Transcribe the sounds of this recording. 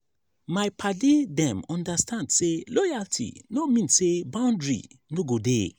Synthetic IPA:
majpʰadidɛ̃mɔ̃ndastʰãndselɔjaltʰḭnomĩnssebãʊ̃ndɹḭnoɡode

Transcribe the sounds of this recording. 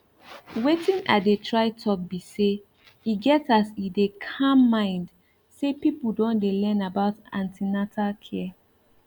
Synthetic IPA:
wetĩna̰detʰɹaɪtʰɔk̚bise | iɡɛtasidekʰãmːãɪ̃nd | sepipudõndelɛ̃nabaʊtã̰ntinatalkʰɛ

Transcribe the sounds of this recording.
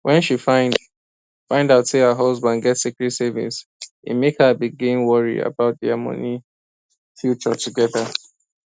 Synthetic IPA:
wʔɛ̃nʃifãɪ̃nd | fãɪ̃ndaʊtsehəɦɔzbãndɡɛtsikɹɛtsɛvɪ̰̃ns | ḭmekhəbiɡĩnwɔɹḭa̰baʊt̚diamɔ̰ni | fjut͡ʃɔ̰tʰuɡɛðə

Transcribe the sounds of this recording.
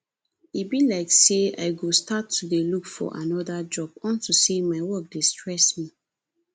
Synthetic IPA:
ibilaɪksea̰ɪɡostatʰːudelukfɔ̰ʔa̰nɔdad͡ʒɔbɔ̃ntusemaɪwɔk̚destɹɛsmi

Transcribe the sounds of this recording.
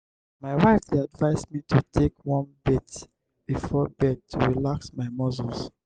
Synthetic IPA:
maɪwaɪfeadvaɪsmitʰutʰekwɔ̃nbɛt | b̥ifɔbɛtʰːuɹilaksmaɪmɔzols

